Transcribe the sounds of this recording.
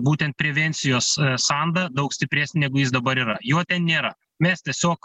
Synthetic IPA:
buːt̪ʲɛnt̪pʲɾʲɛʋʲɛnʲt̪sʲɪjoːssɐnd̪ɐd̪ɐʊksʲt̪ʲɪpʲɾʲæːsʲnʲɪnʲɛːɡʊjɪsd̪ɐbɐɾiːɾɐjoːt̪ʲɛnnʲeːɾɐ | mʲɛst̪ʲiɛsʲoːk

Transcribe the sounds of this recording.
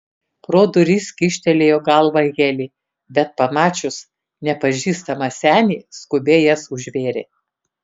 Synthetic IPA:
pɾoːd̪ʊɾʲiːsʲkʲɪʃʲt̪ʲɛlʲeːjoːɡɐlˠʋɐɣʲelʲiː | bʲɛt̪̚pɐmɑːt͡ʃʲʊs | nʲɛpɐʒʲiːst̪ɐmɐsʲæːnʲiːskʊbʲeːjɛsʊʒʲʋʲeːɾʲḛ

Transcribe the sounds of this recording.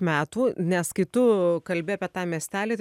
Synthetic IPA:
mʲæːt̪uːnʲɛskɐɪt̪ʊkɐlʲbʲɪɑːpʲiɛt̪ɑːmʲiɛsʲt̪ʲæːlʲeːt̪

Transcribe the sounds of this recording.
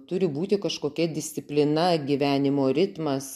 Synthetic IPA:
t̪ʊɾʲɪbuːt̪ʲɪkɐʃkoːkʲɛd̪ʲɪsʲt̪ʲɪpʲlʲɪnɐɡʲiːʋʲæːnʲɪmoːɾʲɪt̪mɐs

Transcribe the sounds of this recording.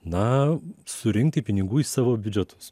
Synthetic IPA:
nɐsʊɾʲɪŋk̚t̪ʲɪpʲɪnʲɪɡuːisɑːʋoːbʲʊd͡ʒʲɛt̪ʰʊ̥s

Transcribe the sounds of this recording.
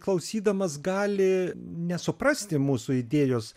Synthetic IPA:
klˠɐʊsʲiːd̪ɐmɐsɡɑːlʲɪnʲɛsʊpɾɐsʲt̪ʲɪmuːsʊɪd̪ʲeːjoːs

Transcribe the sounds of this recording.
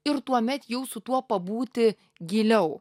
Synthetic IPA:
ɪɾt̪uɔmʲɛt̪jɛʊsʊt̪uɔpɐbuːt̪ʲɪ | ɡʲɪlʲɛʊ

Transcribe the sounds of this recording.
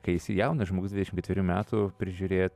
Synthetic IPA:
kɐɪɪsʲɪjɛʊnɐʒmoːɡʊsd̪ʋʲɪd̪ʲɛʃɪmkʲɛt̪ʋʲɪɾʲuːmʲæːt̪upʲɾʲɪʒʲuːɾʲeːt̪

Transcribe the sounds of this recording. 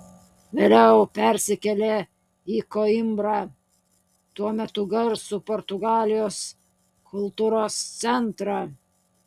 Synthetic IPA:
ʋʲeːlʲɛʊpʲæɾʲsʲɪkʲɛlʲe | iːkoːɪmbɾɑ | t̪uɔmʲɛt̪ʊɡɐɾsʊpoːɾt̪ʊɡɑːlʲɪjoːs | kʰʊlˠt̪uːɾoːst̪sʲɛnt̪ɾɑː

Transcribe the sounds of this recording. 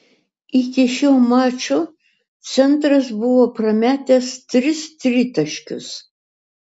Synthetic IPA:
ɪkʲɪʃʲoːmɑːt͡ʃʲʊ | t̪sʲɛnˑt̪ɾɐs̬bʊʋoːpɾɐmʲæːt̪ʲɛst̪ʲɾʲɪst̪ʲɾʲɪt̪ɐʃʲkʲʊ̰s

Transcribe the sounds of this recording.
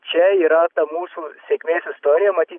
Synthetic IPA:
t͡ʃʰɛiɾaːk̚t̪ɐmuːsusekmeːsust̪oːɾiɐmɐt̪i

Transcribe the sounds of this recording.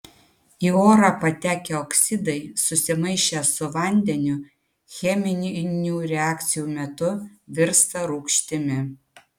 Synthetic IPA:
iːoːɾɑpɐt̪ʲæːkʲɛɔksʲɪd̪ɐɪsʊsʲɪmɐɪʃʲɛsʊʋɐnʲd̪ʲɛnʲʊ | xʲɛmʲɪnʲnʲuːɾʲɛæːkt̪sʲɪjuːmʲɛt̪ʊʋʲɪɾst̪ɐɾuːkʃʲt̪ʲɪmʲɪ

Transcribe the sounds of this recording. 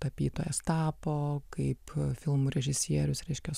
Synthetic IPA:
t̪ɐpʲiːt̪oːjɛst̪ɑːpoːkɐɪpfʲɪlˠmʊɾʲɛʒʲɪsʲiɛɾʲʊsɾʲɛɪʃʲkʲɛ

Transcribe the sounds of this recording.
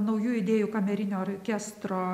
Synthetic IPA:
nɐʊjuːɪd̪ʲeːjuːkɐmʲɛɾʲɪnʲoːɾʲkʲæst̪ɾoː

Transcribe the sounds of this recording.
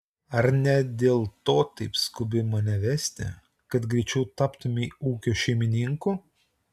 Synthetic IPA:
ɐɾnʲɛd̪ʲeːlˠt̪oːt̪ɐɪpskʊbʲɪmɐnʲɛʋʲɛsʲt̪ʲɪ̰ | kɐt̪ɡɾʲɛɪt͡ʃʲɛʊt̪ɑːpt̪ʊmʲɪuːkʲoːʃʲɛɪmʲɪnʲɪŋkuː

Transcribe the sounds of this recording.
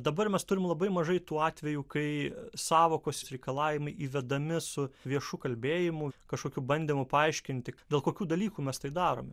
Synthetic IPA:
d̪ɐbɐɾmʲɛst̪ʊɾʲɪmlˠɐbɐɪmɐʒɐɪt̪uːɑːt̪ʲʋʲɛjuːkɐɪsɑːʋoːkoːssɾʲɛɪkɐlˠɑːʋʲɪmɐɪʔiːʋʲɛd̪ɐmʲɪsʊʋʲiɛʃukɐlʲbʲeːjɪmʊkɐʃkoːkʲuːbɐnʲd̪ʲiːmʊpɐɐɪʃʲkʲɪnʲt̪ʲɪd̪ʲeːlˠkoːkʲuːd̪ɐlʲiːkuːmʲɛst̪ɐɪd̪ɑːɾo̰ːmʲɛ

